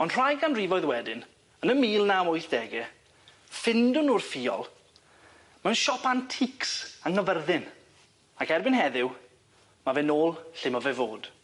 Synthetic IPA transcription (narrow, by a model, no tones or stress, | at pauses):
ɔnr̥ajɡanrivɔjðwɛdɪn | ənəmiːlˠnawʊjθd̥ɛɡɛ | fɪndʊnurfiːɔ̰lˠ | mɛwnʃɔpʰantʰɪksaŋəvərðɪn | akɛrbɪnɦɛðɪw | mavɛnoːlˠɬɪmɔvɛvoːd̥